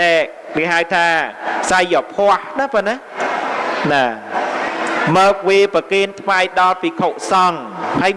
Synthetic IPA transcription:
ɛʔ̚ | keəɦaəwt̪ʰaːsajːɔpʰoəhnaponːa | naː | məːp̚ʋiəpəkiənt̪ʰʋaːjɗɑlpiːkʰoʔ̚sɑŋhəj

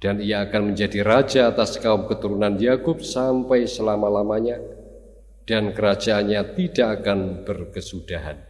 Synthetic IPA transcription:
d̥anijaːkanməɲd͡ʒadirad͡ʒaːt̪askaʊmkət̪uɾunanjakʊp̚sampajsəlamalamaɲa | d̥ankəɾad͡ʒaːnɲat̪idaʔakanb̥ərkəsud̥aɦa̰n

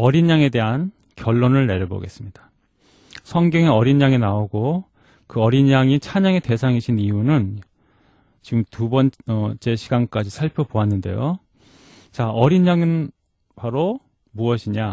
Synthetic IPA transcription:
ʌɾiɲːaŋe̞de̞ɦan | kjʌɭːonɯɭne̞ɾjobʌ̰ɡe̞s͈ɯmɲid̥ḁ | sʰʌŋɡjʌŋeʌɾinːaŋenaoɡo | kɯʌɾiɲːaŋit͡ɕʰaɲaŋete̞sʰaŋiɕʰinijunɯn | t͡ɕiɡɯmtubʌnʌt͡ɕ͈e̞ɕʰiɡank͈ad͡ʑisʰaɭpʰjʌpoanːɯnde̞̰jo̰ | t͡ɕaʌɾinːaŋɯn | paɾo | muʌɕʰiɲa

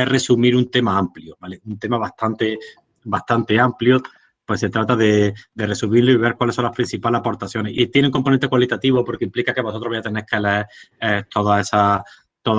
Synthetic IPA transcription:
ere̞sumiɾunt̪e̞maampljobale̞unt̪e̞maβast̪ʰant̪e | baht̪ant̪e̞ampljo | pwese̞t̪ɾat̪aðe̞d̪e̞re̞sumiɾloiβ̞e̞ɾkwaleso̞nlahpɾin̟θipalapo̞ɾt̪aθjo̞neḭt̪jeneŋko̞mponẽnt̪e̞kwalit̪at̪iβopo̞ɾkeimplikakeβsot̪ɾoβajat̪enejhkeleet̪o̞ðaesa | t̪oð

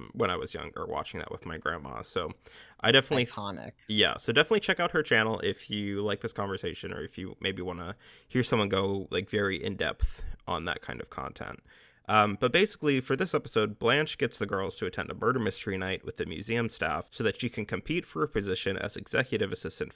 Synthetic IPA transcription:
wə̃ñaɪwʌzjʌ̰̃ŋə̰˞wɑ̰t͡ʃɪ̃ŋðɨ̰ʔ̚wə̰ðmaɪɡɹæ̰̃nmɑ̰soʊʔaɪɾɛfənɨtˡlihʰɑnɪ̰k̚jæ̰soʊdɛfənətˡlit͡ʃʰɛkaʊt̚hə˞t͡ʃʰænl̩ˠɪfjɨlaɪk̚ðɪskʰɑ̃ɱvə˞seɪʃɨ̃nə̰˞ɨfjɨ̰mʔeɪbiwɑ̃nə | hiɹsʌ̃mwʌ̃nɡoʊla̰ɪkvɛɹiʔɪ̰̃ndɛ̰pθʔə̃n̩ðə̰t̚kʰãɪ̃ndʌv̥kʰɑ̰̃ntʰɛ̰̃nt̚ | ʔʌ̃mb̥ʌt̚b̥eɪsɪ̥klifə˞ðɪsɛpəsoʊd̚blæ̃nt͡ʃɡ̥ɛtsðɨɡɜ˞lˠz̥tʰɨɨtʰɛ̰̃ndəbɜ˞ɾə˞mɪstə˞inaɪʔ̚wɨðɨmjʉ̰ziɨ̃mstæ̰fsoʊðɨtʃikʰɨ̃n̩kʰɨ̃m̩pʰitfə˞əpʰɨzɪʃɨ̃nɨ̰zɨ̰ɡ̥z̥ɛkjɨɾɨvɨsɪstɨ̃nt

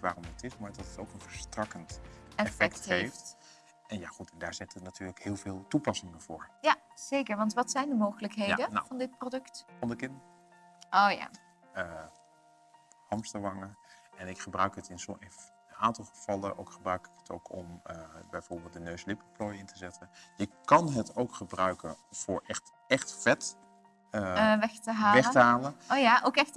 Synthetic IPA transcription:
ʋaːrɔmətɪsmoɛdɑtətowkənvəɹstrɑkəntɛfɛk̚tɦejft | ɛnjaχutɛndaːɹzɪtətnatyːɹləkhɪːlˠvɪːlˠtupɑsɪŋəv̥ʊːɹjaz̥ejkəɹʋɑntʋɑtsɛjndəmowχələkɦejdəna̰fɑndɪt̚prodɵktfɑndəkɪnd | ʔoːja̰ː | ə | hɑmstəʋɑŋəɛnɪkχəbrœɥkɦətɪnsɪn | aːntɑlˠχəv̥ɑlənʔo̰wkχəbrœɥkɪ̥kə̥tʰo̰wkʰɔməbɛjvoʊːɹbɪːlˠt̚dənøɥslɪpəplojɪntʰəzɛtənjəkɑnɦətowkχəbrœɥkənfʊːɹʔɛχt | ɛχtfɛt | əʋɛxtəɦaːʋɛχtəɦaːlənojaʔowkɛxt

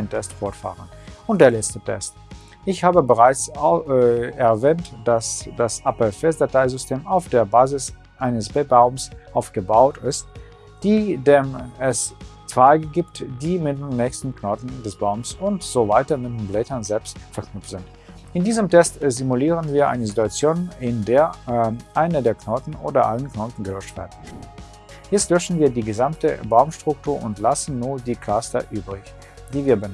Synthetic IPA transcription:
ɪntʰɛstfɔɐtfa̰ːʁən | ʔʊnt̚d̥eːɐlɛt͡stətʰɛ̰st | ʔɪçhaːbəbəʁaɪt͡s | ɛɐvɛːntd̥asd̥asʔapfɛsd̥ataɪzʏstʰeːmaʊfd̥eːɐbaːzɪs | ʔaɪnəsb̥ɛbaʊmsʔaʊfɡ̥əbaʊtɪst̚ | d̥iːdeːmɛst͡sv̥aɪɡəɡiːptd̥iːmɪt̚dennːɛçstn̩knɔtn̩dɛsb̥aʊmsʊntz̥oːvaɪtɐmɪt̚denblɛtɐnzɛlpstfɛɐknʏpp͡fftz̥ɪnt | ʔɪndiːzəmtʰɛstzimuliːʁ̞ənviːɐʔa̰ɪnəzituat͡sjoːnɪndeːɐʔaɪnədeːɐkʰnoːtn̩ʔo̰ːdɐʔa̰lənkʰnoːtn̩ɡəlɔʃtv̥ɛ̰ɐd̩ | jɛstlœʃn̩viːɐdiːɡəzamtə̰baʊmʃtʁ̥ʊktʰuːɐʔʊntlasn̩ːuːɐdiːkʰastɐ̰ʔyːbʁɪç | d̥iːviːɐbə

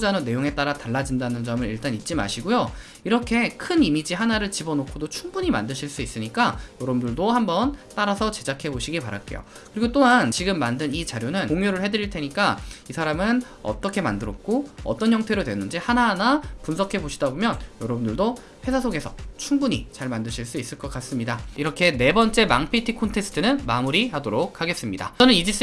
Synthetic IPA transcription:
d͡ʑanone̞joŋe̞t͈aɾataɭːad͡ʑindanɯnd͡ʑʌmɯɾḭɭt͈anit̚t͡ɕ͈ima̰ɕʰiɡojo | iɾʌkʰe̞kʰɯnimid͡ʑiɦanaɾɯɭt͡ɕibʌnokʰodot͡ɕʰuŋbuɲima̰ndɯɕʰiɭs͈uis͈ɯɲik͈ajʌɾʌbɯndɯɭdohambʌnt͈aɾasʰʌt͡ɕe̞d͡ʑakʰe̞boɕʰiɡipaɾak͈e̞̰jo̰ | kɯɾiɡot͈oɦant͡ɕiɡɯmːandɯnit͡ɕaɾjonɯnkoŋjoɾɯɭhe̞dɯɾiɭtʰe̞ɲik͈aisʰaɾamɯn | ʌ̰t͈ʌkʰe̞mandɯɾʌk̚k͈oʌ̰t͈ʌnçjʌŋtʰe̞ɾodwe̞nːɯnd͡ʑihanaɦanapunsʰʌkʰeboɕʰidabomjʌnjʌɾʌbɯndɯɭdo | ɸe̞sʰasʰoɡe̞sʰʌt͡ɕʰuŋbuɲit͡ɕaɭmandɯɕʰiɭs͈uis͈ɯɭk͈ʌk͈as͈ɯmɲidaiɾʌkʰe̞ne̞bʌnt͡ɕ͈e̞maŋpʰitʰikʰontʰe̞sɯ̥tʰɯnɯnmamuɾihadoɾok̚ʰhaɡe̞s͈ɯmɲida̰t͡ɕʌnɯnid͡ʑis͈

